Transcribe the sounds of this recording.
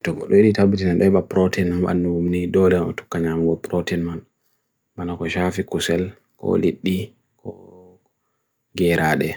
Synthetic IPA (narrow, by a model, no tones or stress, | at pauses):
tɔkɔ̰ɗɔiɗitabitinanɗɔɛɓapɾɔtinmaɓa̰nːuumniɗɔlɛnɔ̰tu̥kːaɲamɡɔpɾɔtinman | manakɔʃafikusɛl | kɔ̰liɗːi | kɔ | ɡɛɾʔaːɗɛ